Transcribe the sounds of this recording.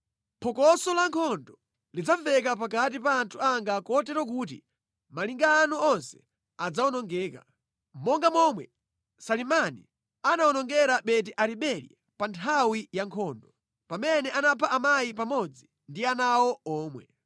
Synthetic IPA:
pʰɔkɔsɔlaŋkʰɔndɔ | lid͡zafɛkap̬akat̬ipaːntʰuaŋɡakɔtɛɾɔk̬uːt̬ḭ | maliŋɡaːnɔɔnsɛ̥ | ad͡zaɔnɔŋɡɛːka̰ | mmːɔŋɡamɔmwɛ | salimanḭ | anawɔnɔŋɡɛɾaɓɛt̬iʔaɾiɓɛɾḭ | pantʰawijaŋkʰɔːndɔ | pamɛnɛʔanapʰaʔamajipamɔd͡zi | ndianawɔɔːmwɛ

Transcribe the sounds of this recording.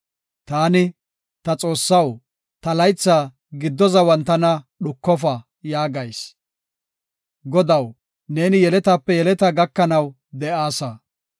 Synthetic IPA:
t̪aːnɪ | t̪ɐt͡sʼo̞ːsːɐw | t̪ɐlɐjt͡sːaː | ɡɪd̪ːɔzɐwɐnt̪ːɐnɐ | ɗʊkːɔfɐ | jaːɡɐjs | ɡɔd̪ɐw | ne̞ːnɪjɛlɛt̪ɐpːɛjɛlɛt̪ɐɡɐkːɐnɐw | d̪ɛʔaːsɐ

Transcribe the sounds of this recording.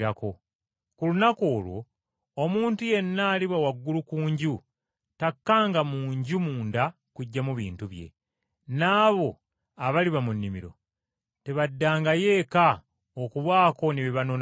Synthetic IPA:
ɾako̞ | kulunako̞ːlwo̞̰ː | muːntuje̞nːaːliβawaɡːulukuːɲɟu | takːaːŋɡamuːɲɟumuːnda | kuɟːamuβḭːntuβje̞̰ | naːβo̞ | aβaliβamunːimḭɾo̰ | te̞βadːaːŋɡaje̞ːka | okuβwaːko̞neβiβano̞n

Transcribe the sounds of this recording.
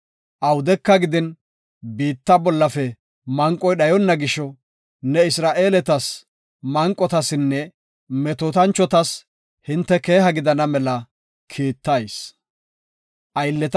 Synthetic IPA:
ʔɐwʊd̪ɛkːɐɡɪd̪ɪn | biːt̪ːɐbɔlːɐfɛ | mɐŋkʼːɔjɗɐjɔnːɐɡɪʃɔ | nɛɪsɾaːʔe̞ːlɛt̪ɐs | mɐŋkʼːɔt̪ɐsɪnːɛ | mɛt̪ot̪ɐnt͡ʃːɔt̪ɐs | hɪnt̪ːɛke̞ːɦɐɡɪd̪ɐnɐmɛlɐ | kʰiːt̪ːɐjs | ʔɐjɪlːɛt̪

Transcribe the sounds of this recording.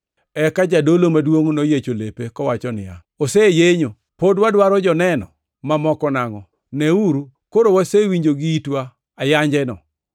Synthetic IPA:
ɛkad͡ʒadolomadwoŋnojet͡ʃolepekɔwat͡ʃɔnɪja̰ | osejeɲo | podwadwaɾɔd͡ʒɔnɛnɔ̰ | mamɔkɔnaŋɔ | nɛuɾu | koɾowasewiɲd͡ʒoɡiitwa | ajaɲd͡ʒɛnɔ̰

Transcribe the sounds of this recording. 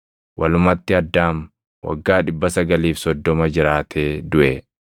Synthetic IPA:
wʔɐlʊmɐt̪ːɪɐd̪ːaːm | wɐ̰ɡːaːᶑɪbːɐsɐɡɐliːfsɔd̪ːɔmɐd͡ʒɪɾaːt̪ʰeːd̪ʊʔɛ

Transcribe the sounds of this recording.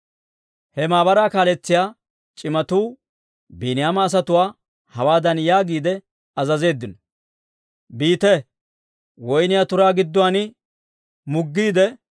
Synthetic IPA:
hɛmaːbɐɾaːkaːlɛt͡sːɪjaː | t͡ʃʼɪmɐt̪uː | biːnɪjaːmɐːs̬ɐt̪ʊwaː | hɐwaːd̪ɐnjaːɡiːd̪ɛ | ɐzɐze̞ːd̪ːɪnɔ | biːt̪ɛ | wɔjnɪjaːt̪ʊɾaːɡɪd̪ːʊwanɪ | mʊɡːiːd̪ɛ

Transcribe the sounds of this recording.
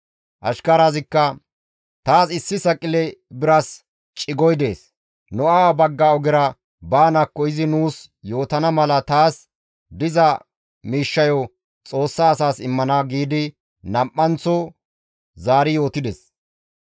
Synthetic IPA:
ʔɐ̰ʃkɐɾaːzɪkːɐ | t̪aːsɪsːɪsɐkʼːɪlɛbɪɾɐs | t͡ʃʼɪɡɔjd̪e̞ːs | nɔawabɐɡːaɔɡɪɾɐ | baːnɐkːɔjɪzɪnuːs | jo̞ːt̪ɐnɐmɐlɐt̪aːs | d̪ɪzɐ | miːʃːɐjɔ | t͡sʼo̞ːsːaːsaːsɪmːɐnaːɡiːd̪ɪ | nɐmʔːɐnt͡sɔ | zaːɾɪjo̞ːt̪ɪd̪ɛs

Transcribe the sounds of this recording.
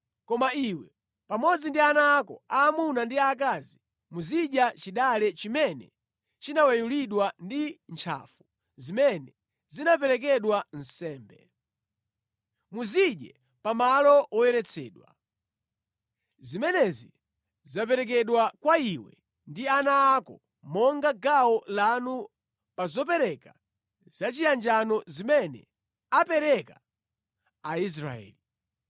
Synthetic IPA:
kɔmaiwɛ | pamɔd͡zindianaːkɔaːmunandiak̬azi | muziʄat͡ʃiɗalɛt͡ʃimɛnɛ̰ | t͡ʃinawɛjuliɗwandint͡ʃʰa̰fu | zimɛnɛ | zinap̬ɛɾɛk̬ɛɗwan̩sɛːmbɛ̰ | muziʄɛ | pamalɔɔjɛɾɛt͡sʰɛːɗwa̰ | zimɛnɛzi | zapɛɾɛk̬ɛɗwakwaiwɛ̰ | ndianaːkɔ | mɔŋɡaɡaɔlanu | pazɔpɛɾɛka | z̥at͡ʃijand͡ʒanɔzimɛnɛ̰ | apɛɾɛka | ais̬ɾa̰ɛ̰ːli

